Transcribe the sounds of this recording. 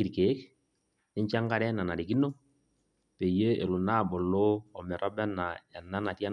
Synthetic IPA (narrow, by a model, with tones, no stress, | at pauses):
iɾke˨˦k | ɪ˦ɲt͡ʃa˦ŋɡa˦ɾɛ˦na˨na˨ɾi˨ki˦no˦ | pe˨je˦ḛ˨lu˨na˦˨bɔ˨lo˦ɔ˨mɛ˨ɾʔɔ˦bɛ˦na˨ɛ˨na˦na˨ti˦a˦